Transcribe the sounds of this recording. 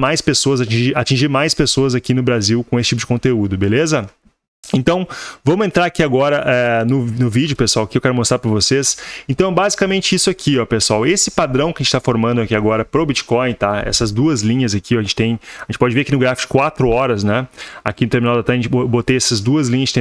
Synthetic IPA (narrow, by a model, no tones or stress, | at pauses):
majspesoɐzat͡ʃĩʒiɾat͡ʃĩʒiɾmajspesoɐzakinʊbɾaziwkõesɪ̥t͡ʃipʊd͡ʒɪkõnt̪eud̪ʊbelezɐ | ẽnt̪ɐ̃w̃vɐ̃mʊẽnt̪ɾaɾakiaɡɔɾɐʔɛnʊnʊvid͡ʒʊpesuawakiɪewkɛɾʊmost̪ɾaɾpɾɐvosesẽnt̪ɐ̃w̃bazikamẽnt͡ʃɪisʊakʰiɔpesʊawesɪpad̪ɾɐ̃w̃kɪɐʒẽt͡ʃɪt̪afoɾmɐ̃nd̪ʊakiaɡɔɾɐpɾobit͡ʃɪ̥kɔ̃j̃t̪aɛ̰sɐzd̪uɐzlĩɲɐzakiaʒẽnt͡ʃɪ̥t̪ẽj̃ʒẽt͡ʃɪpɔd͡ʒɪveɾakinʊɡɾafi̥t͡ʃʊ̥kwat̪ɾʊɔɾɐznɛa̰kinʊt̪eɾminawd̪at̪ɛʒẽt͡ʃbot̪ejɛsɐzd̪uɐzlĩɲɐzd͡ʒɪt̪ẽ